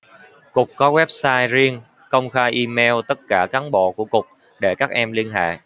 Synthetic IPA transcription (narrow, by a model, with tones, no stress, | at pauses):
kʊ˨˩k͡p̚kɔ˨˦ɣwɛ˦˥p̚saː˧jzi˧ən | kə˧wŋ͡mxaː˧jʔi˧mɛ˧wt̪ə˦˥t̚kaː˧˩kaː˨˦ŋɓo̰˧˨ku˧˩əkʊ˨˩k͡p̚ | ɗe˧˩kaː˦˥k̚ʔɛ˧mli˧ənɦa̰ː˧˨j